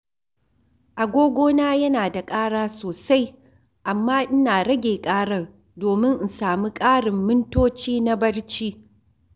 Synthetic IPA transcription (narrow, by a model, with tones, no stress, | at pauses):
ʔa˨ɡʷoː˦ɡʷoː˦naː˦jɐ˦naː˨da˨kʼaː˦ɽaː˦soː˨sa˦j | ʔa˨mːaː˦ʔɪ˦naː˨ɽɐ˦ɡʲeː˨kʼaː˦ɽɐ˦r | doː˨mɪ˦ŋʔn̩˨saː˨mi˦kʼaː˦ɽɪ˨mːɪ˦ntoː˦t͡ʃiː˦na˦bɐ˦ɽt͡ʃiː˦